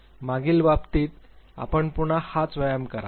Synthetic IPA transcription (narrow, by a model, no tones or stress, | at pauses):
maɡiːlʋapt̪iːt̪a̰pəɳpuɳ̃ahat͡sʋəjəmkəɾa̰